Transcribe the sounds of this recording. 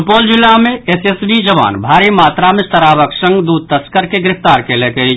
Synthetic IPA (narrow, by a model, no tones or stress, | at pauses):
poːld͡ʒɪlamẽesesbid͡ʒəʋa̰ːnbʱaːɾimaːt̪ɾamẽst̪əɾaːʋəksə̃ŋɡd̪uːd̪̚t̪əskəɾkeɡɾɪft̪aːɾkelekəi